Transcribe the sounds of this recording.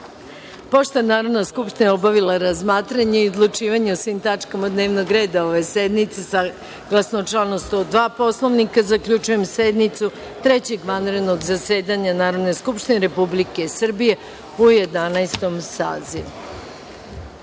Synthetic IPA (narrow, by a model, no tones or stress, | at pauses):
po̞ʃt̪onaːɾo̞d̪naskupʃt̪inaobaʋilaɾazmaːt̪ɾaɲeio̞d̪lˠut͡ʃiːʋaɲeosʋimt̪at͡ʃkamaud̪ne̞ːʋnoɡɾe̞ːd̪ao̞ʋe̞sed̪nit̪sesa | ɡ̥lˠasnot͡ʃlanost̪od̪ʋaːpo̞slˠo̞ʋnikazakʎʲut͡ʃuje̞msed̪nit̪su | t̪ɾe̞t͡ɕe̞ɡʋanɾe̞d̪no̞ɡzase̞ːd̪aɲanaːɾod̪ne̞skupʃt̪ineɾe̞publike̞sr̩bije̞ | uje̞d̪anaest̪o̞msa̰ːziʋu